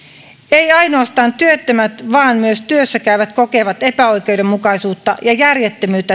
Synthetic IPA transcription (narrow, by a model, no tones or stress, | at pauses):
ejɑjnoɑst̪ɑːnt̪yøt̪ːømæt̪ʋɑːnmyøst̪yøsːækæyʋæt̪kokeʋɑt̪e̞pæo̞ik̟e̞ude̞mmukɑisuːt̪ːɑjɑjærjet̪ːømyːt̪ːæ